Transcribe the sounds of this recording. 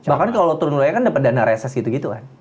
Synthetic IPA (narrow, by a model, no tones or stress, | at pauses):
bakankalot̪uɾʊnlajakandapat̪̚danaɾesɛsɡit̪uɡit̪uka̰n